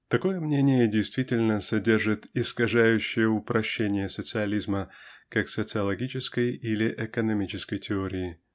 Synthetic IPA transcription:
t̪ɐko̞jəmnʲenʲɪjədʲɪjst̪vʲitʲɪlʲnəsɐdʲe̞rʐɨt̪ɪskɐʐæjʉɕːɪjəʊpɾɐɕːenʲɪjəsət̪sɨɐlʲizməkaksət̪sɨɐlˠɐɡʲit͡ɕɪskəjilʲɪʔɛkənɐmʲit͡ɕɪskəjtʲɪoɾʲɪɪ

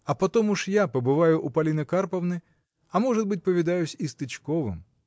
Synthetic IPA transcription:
ɐpɐt̪ɔmuʂjapɐbɨvajʊʔupɐlʲinɐkarpɐwnɨ | ɐmɔʐɨt̪̚bɨtʲpɐvʲɪd̪ajʊsʲist̪ɨt͡ɕkɔvɨ̰m

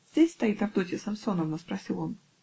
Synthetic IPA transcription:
zʲdʲesʲst̪ɐit̪ɐvd̪otʲɪsɐmso̞nəmnospɾɐsʲilˠon

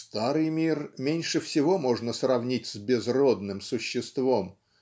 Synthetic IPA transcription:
st̪aɾɨjmʲirmʲenʲʂɨfsʲɪvo̞mo̞ʐnəsrɐvnʲitʲsʲbʲɪzrod̪nɨmsʊɕːɪst̪vo̞m

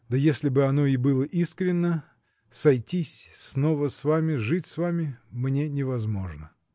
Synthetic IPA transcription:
d̪əjesʲlʲɪbɨɐno̞ɪbɨlˠəʔiskɾʲɪnːə | sɐjtʲisʲsno̞vəsvamʲɪʐɨtʲsvamʲɪmnʲenʲɪvɐzmo̞ʐnə

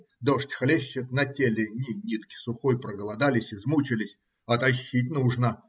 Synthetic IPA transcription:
d̪oʂtʲxlʲeɕːɪt̪nɐtʲelʲɪnʲɪnʲit̪kʲɪ̥sʊxojpɾəɡəlˠɐd̪alʲɪsʲɪzmut͡ɕɪlʲɪsʲ | ɐt̪ɐɕːit̬̚ʲnuʐnə

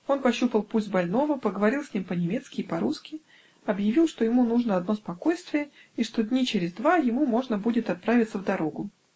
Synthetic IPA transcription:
o̞npɐɕːupəlˠpubɐlʲno̞vəpəɡəvɐɾʲilˠsʲnʲimpənʲɪmʲe̞t̪skʲɪːpɐɾuskʲɪ | ɐbjɪvʲilˠʂt̪o̞jɪmunuʐnəɐd̪no̞spɐko̞jst̪vʲɪjəiʂt̪o̞d̪ʲnʲit͡ɕɪɾʲɪzd̪vajɪmumo̞ʐnəbudʲɪt̪ɐt̪̚pɾavʲɪt̪səvd̪ɐɾo̞ɡʊ

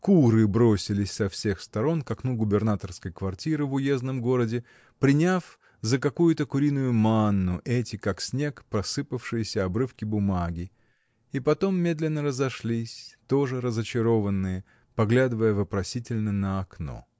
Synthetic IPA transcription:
kuɾɨbɾosʲɪlʲɪsʲsɐfsʲe̞xst̪ɐɾo̞nkɐknuɡʊbʲɪrnat̪ərskəjkvɐrtʲiɾɨvʊje̞znəmɡo̞ɾədʲɪ | pɾʲɪnʲaf | zəkɐkujʊt̪əkʊɾʲinʊjʊmanːʊʔɛtʲɪkaksʲnʲe̞kpɾɐsɨpəfʂɨjɪsʲəɐbɾɨfkʲɪbʊmaɡʲɪ | ipɐt̪o̞mːʲe̞d̪lʲɪnːəɾəzɐʂlʲisʲt̪o̞ʐɨɾəzət͡ɕɪɾo̞vənːɨjə | pɐɡlʲad̪ɨvəjəvəpɾɐsʲitʲɪlʲnənəɐkno̞̰

